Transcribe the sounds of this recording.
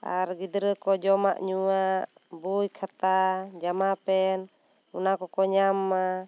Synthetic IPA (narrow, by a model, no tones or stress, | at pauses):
a̰ɾɡid̪ɾəkɔd͡ʒɔma̰ʔɲuaʔbujkʰat̪ad͡ʒamapɛn | unakɔkɔɲamːa